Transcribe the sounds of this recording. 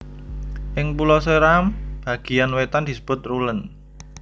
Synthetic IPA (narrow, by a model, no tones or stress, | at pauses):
ʔɪŋpulɔsəɾamb̥ä̤ɡ̥i̤janwet̪and̪̥i̤sə̥b̥ʊ̤t̪̚rulən